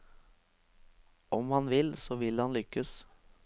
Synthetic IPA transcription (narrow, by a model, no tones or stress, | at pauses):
ʔɔmhɑnʋɪlsoːʋɪlhɑnlʏkəs